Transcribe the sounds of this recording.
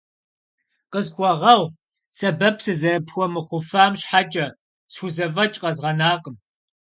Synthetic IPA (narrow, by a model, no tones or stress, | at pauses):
qəzkʷʼɔʁɐw | sɐbɐpʰsɨzɐɾɐpʰxʷɔmɨχʷʊfaːmɕħat͡ʃʼɐ | sxuzɐvɐt͡ʃʼqɐzʁɐnaːqəm